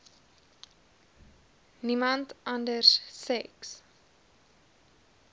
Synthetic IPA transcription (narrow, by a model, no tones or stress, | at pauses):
nimɐntʔɐndərsːɛks